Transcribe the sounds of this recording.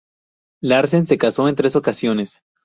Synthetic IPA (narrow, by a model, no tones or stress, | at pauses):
laɾs̬ense̞kaso̞e̞nt̪ɾe̞so̞kasjo̞ne̞s